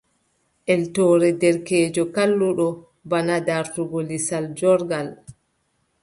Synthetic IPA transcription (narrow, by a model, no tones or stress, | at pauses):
ʔɛltɔːɾɛdɛɾkɛːd͡ʒɔkalːuɗɔ | banadaɾtuɡolisald͡ʒɔɾɡal